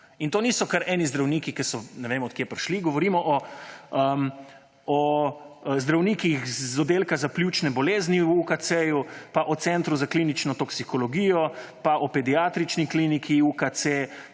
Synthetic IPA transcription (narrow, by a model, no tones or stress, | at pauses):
int̪oːniːsɔkaɾɛːnizd̪ɾawniːkikɛsɔnɛʋeːmɔt̪̚kjeːpɾʃliɡɔʋɔɾiːmɔʔɔəm | ɔ | zd̪ɾawnikixzɔd̪eːlkazapljut͡ʃnɛbɔleːzniwukasejupaʔɔt̪sɛnt̪ɾuzaklinit͡ʃnɔt̪ɔksikɔlɔɡiːjɔpaʔɔpɛd̪iaːt̪ɾit͡ʃniklinikʰiukat̪se